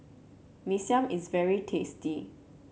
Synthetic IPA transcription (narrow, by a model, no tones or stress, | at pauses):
misiãmisvɛɹitʰesti